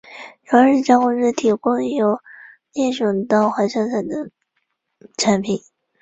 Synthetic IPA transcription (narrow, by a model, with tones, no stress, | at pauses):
ɻɑ˧˥ʂɻ̩˥˩t͡ɕɑ˥xʊ˥˧ʈ͡ʂɻ̩˥˩t̪ʰi˨˩kʊ˥ŋjo˧˥ʊ | nɛ˥˩ʂɑ˨˩ŋt̪ɑ˥˩ʊxwa˧˥ʂɑ˥˩t͡sʰa˨˩ɪd̪ə˦ | ʈ͡ʂʰa˧˥npʰi˨˩˦n